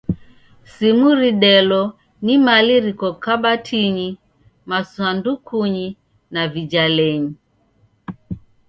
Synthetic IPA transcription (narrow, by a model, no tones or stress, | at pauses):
simuɾiɗɛlɔ | nimaliɾikɔkaɓatʰiɲi | maswandukʰuɲi | navid͡ʒalɛɲi